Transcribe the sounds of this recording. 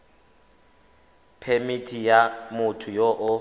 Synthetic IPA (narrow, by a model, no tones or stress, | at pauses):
pʰemitʰʼijamʊtʰʊjɔʔʊ